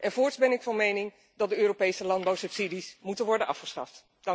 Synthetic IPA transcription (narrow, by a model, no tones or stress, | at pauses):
ʔɛnvʊːɹtsbɛnɪkfɑnmejnɪŋ | dɑdəøːropejsəlɑnd̚bawsɵpsidismutənʋɔɹdənʔɑfχəsχɑ̰ft | dɑ